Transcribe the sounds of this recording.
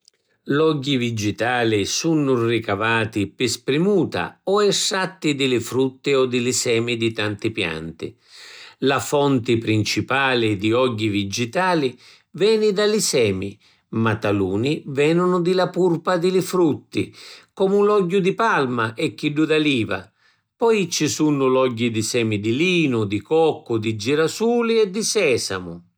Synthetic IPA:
lɔɟːivid͡ʒit̪aːlɪsunːʊrikavaːt̪ɪpɪspɾimuːt̪a̰ɔɛsːat̪ːɪd̪ɪlɪfɾut̪ːɪɔd̪ɪlɪsɛːmid̪it̪ant̪ɪpja̰nt̪ɪ̰ | lafɔnt̪ɪpɾint͡ʃipaːlɪd̪iɔɟːivid͡ʒit̪aːlɪ | vɛːnɪd̪alɪsɛːmi | mat̪ːaluːnivɛnʊnʊd̪ɪlapurpad̪ɪlɪfɾut̪ːḭkɔmunlɔɟːʊd̪ipalmaʔɛkːiɖːud̪aliːva̰ | pɔjt͡ʃisunːʊlɔɟːid̪isɛːmid̪iliːnʊd̪ikɔkːʊd̪id͡ʒiɾasuːliɛd̪isɛːsa̰mʊ

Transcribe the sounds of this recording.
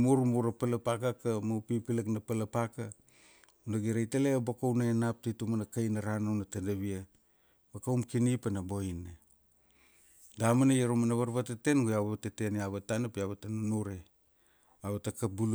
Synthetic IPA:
muɾumuɾapalapakakamawpipilaknapalapaka | unaɡiɾajtelebakownaenap̚titumanakajnaɾanawnatadaβia | bakawmkinipanabo̞ina | damanajaɾomanaβaɾβatete̞nɡojaβateteneaβatanapiaβatananuɾe | aβatakabul

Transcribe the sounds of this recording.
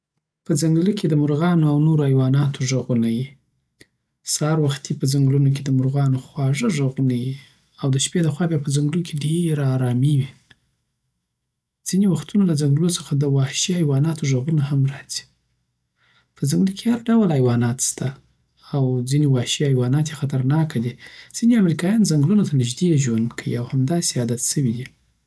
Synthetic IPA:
pəzaŋɡlikʰed̪əmʊɾɣɑnoawnoɾoajwɑnɑt̪ʰoʒaɣunaji | sɑɾwaxt̪ʰipəzaŋɡlunok̬ed̪əmʊɾɣɑnoxwɑʐəʒaɣunaji | awd̪əʃped̪əxwɑbjɑpəzaŋɡlukʰeɖeɾɑɾɑmiwi | d͡z̥inewaxt̪unolazaŋɡluosəxad̪əwɑʃiajwɑnɑt̪oʒaɣunahamɾɑz̥i̥ | pʰəzaŋɡlukehaɾɖawlajwɑnɑt̪st̪ʰaː | wd͡zinewɑʃiɑjwɑnɑt̪jexat̪aɾnɑkad̪iz̥ineamɾikɑjɑnzaŋɡlunot̪anɪʒd̪eʒwandkʰəwḭawhamd̪ɑseɑd̪at̪səwid̪i

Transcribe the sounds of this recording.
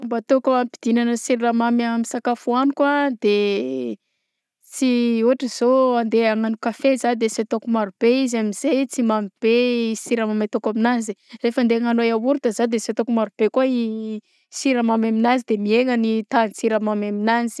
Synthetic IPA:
mbat̪okuamipi̥d̪̥inanəsiɾiɾamamamisakafuanikwad̪e | t͡siuaʈ͡ʂəz̥oand̪eaŋanukafezad̪eset̪okumaɾub̥eizamiz̥et͡simamib̥esiɾamamat̪okaminazirefand̪eaŋanojawuɾut̪azad̪eset̪okumaɾub̥ekuai | siɾamamaminazid̪emieŋənit̪ant͡siɾamamaminanzi̥

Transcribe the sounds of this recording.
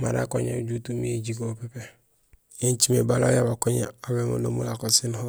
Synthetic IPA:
maɾa̰koɲed͡ʒutumied͡ʒiɡopepe | jent͡ʃimebalojabakoɲḛabemo̰lo̰mulakosinho

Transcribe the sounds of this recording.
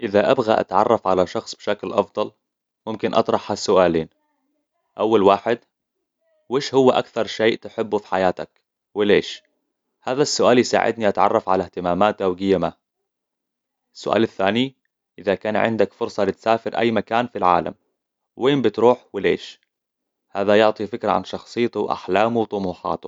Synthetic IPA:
ʔɪðaʔabɣa̰ʔa̰t̪ʕɑ̰rˤːɑfʕalaʃɑxsˤbʃaklʔɑfd̪ˤɑl | mʊmkɪnʔɑ̰t̪ˤɾˤɑħhasːʊʔaːliːn | ʔawːalwaːħɪd̪ | weːʃhʊwːaʔakθɑɾˤʃeːʔt̪ɪħɪbːufi̥ħajaːt̪ak | wɪleːʃ | haːðasːʊʔaːljsa̰ːʕɪ̰d̪niʔat̪ʕɑ̰rˤːɑfʕalaht̪ɪmaːmaːt̪ʔawɡɪjːama | ɪsːʊʔa̰ːlɪθːaːni | ʔɪðakaːnʕɪ̰nd̪akfʊɾsˤɑlɪt̪saːfɪɾʔa̰jːmakaːnfilʕa̰ːla̰m | weːmbɪt̪ɾuːħwɪleːʃ | haːðajʊʕt̪ˤifɪkɾa̰ʕa̰nʃɑxsˤɨjːt̪uwʔa̰ħlaːmuwt̪ˤʊmuːħɑ̰ːt̪u

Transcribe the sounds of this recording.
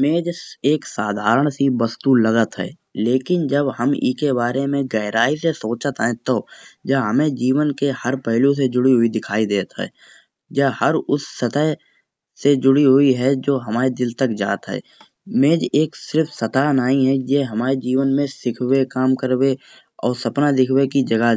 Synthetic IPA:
mẽːd͡ʒeːksaːd̪ʱaːɾəɽ̃sibəst̪ulɐɡət̪ɦɛ̰ː | leːkɪnd͡ʒəbɦɐmɪ̰kebaːɾemẽɡəɪɾaːisesoːt͡ʃət̪ɦɛ̃t̪od͡ʒaɦɐmẽd͡ʒiːʋənkehɐɾpɛɦlũs̬ed͡ʒʊɽiɦʊid̪ɪkʰaːid̪eːt̪ɦɛ̰ː | d͡ʒahɐɾʊsːət̪əɦ | sed͡ʒʊɽiɦʊiɦɛd͡ʒoːɦɐmaːɾed̪ɪlt̪əkd͡ʒa̰ːt̪ɦɛ̰ː | mẽːd͡ʒeːksɪɾfʰsɐt̪aːnaːĩɦɛjeɦɐmaːɾed͡ʒiːʋənmẽsɪkʰwekaːmkəɾwe | ɔ̰ːɾsɐpnad̪ɪkʰwekid͡ʒɐɡa

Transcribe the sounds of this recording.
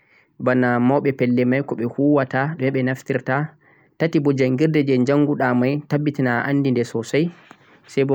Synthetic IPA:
banamɔwɓɛpɛlːɛmajkɔɓɛhuwataɗɔmɛɓɛnaftiɾta | tatibɔd͡ʒaŋɡiɾdɛd͡ʒɛɲd͡ʒaŋːɡuɗamajtabːitinaʔa̰nːdindɛsɔsaj | sajbɔ

